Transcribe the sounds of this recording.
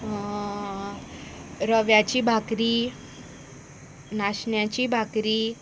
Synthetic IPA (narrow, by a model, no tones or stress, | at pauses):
ɾəʋjat͡ɕiːbʱakɾiː | naɕɳjat͡ɕiːbʱakɾiː